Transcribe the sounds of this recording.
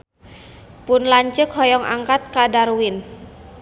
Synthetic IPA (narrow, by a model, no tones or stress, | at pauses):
pʊnlaɲt͡ʃəkhɔjɔŋʔa̰ŋkat̪̚kadaɾuwɪn